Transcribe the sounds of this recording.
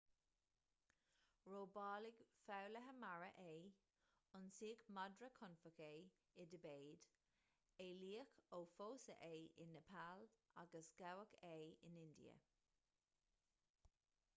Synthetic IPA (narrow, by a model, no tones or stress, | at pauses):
ɹoːbɑːlɪɡfawləɦəmaɹə̰ʔeː | ʊnsiːəkmadɹəkʰʊnfəkeː | ɪdəbeːd̥ | eːliːəkoːfoːsə̰ʔeːɪnːəpʰaːlʔaɡəsɡ̥awəkʰeːɪ̰nɪndḭə̰